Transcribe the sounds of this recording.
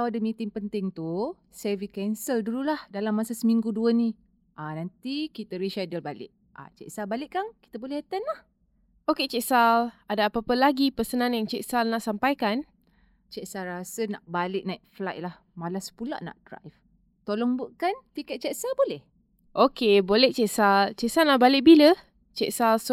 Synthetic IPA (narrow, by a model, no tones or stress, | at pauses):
awadəmĩt̪ɪŋpənt̪ɪŋt̪u | sevikɛnsəlduɾulahdalamːasasəmiŋɡuduənĩ | ʔanant̪ikit̪əɾiʃadəlbalɪ̰ʔ̚ | ʔa̰t͡ʃɛ̰ʔsalbalɪʔkaŋki̥t̪əbolɛhɛt̪ənlah | oket͡ʃɛʔsaladaːpapəlaɡipəsənãnjaŋt͡ʃɛʔsalnaʔsampajkan | t͡ʃɛʔsaɾasənaʔbalɪʔ̚naiʔ̚flajlah | malasə̥pula̰ʔna̰ʔd̥ɾa̰jf | t̪olɔŋbuʔkant̪ikɛt̪̚t͡ʃɛʔsalbolɛh | ʔokebolɛht͡ʃɛʔsalt͡ʃɛʔsanaʔbalɪʔ̚bilə | t͡ʃɛʔsals